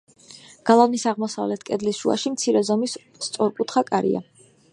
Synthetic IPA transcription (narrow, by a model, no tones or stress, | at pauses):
ɡ̥alˠavmisaʁmɔsavlɛt̪ʰkʼɛd̪lisʃua̰ʃimt̪sʰiɾɛzɔmis | t̪sʼɔɾkʼut̪ʰχakʼaɾḭa̰